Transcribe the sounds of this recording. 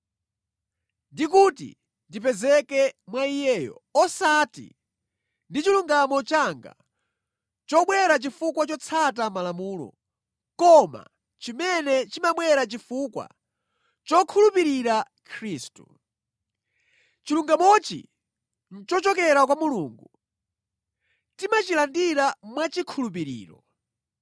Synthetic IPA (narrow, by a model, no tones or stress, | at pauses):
ndikutḭ | ndipɛzɛkɛmwaijɛːjɔ̰ɔsatḭ | ndit͡ʃiluŋɡamɔt͡ʃaŋɡa̰ | t͡ʃɔɓwɛɾat͡ʃifukwat͡ʃɔt͡sʰatamalamuːlɔ̰ | kɔma̰ | t͡ʃimɛnɛt͡ʃimaɓwɛɾat͡ʃifukwa̰ | t͡ʃɔkʰulupiɾiɾa | kʰɾiːstu | t͡ʃiluŋɡamɔt͡ʃḭ | n̩t͡ʃɔt͡ʃɔkɛɾakwamuluːŋɡu | timat͡ʃilandiɾamwat͡ʃikʰulup̬iɾḭːɾɔ